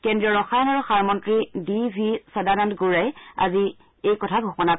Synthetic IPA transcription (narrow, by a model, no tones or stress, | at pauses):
kendɹijɔɹɔxajɔnaɹuxaɹmɔntɹidibʱisɔdanandɡuɹaja̰zi | ejkɔtʰaɡʱupɔna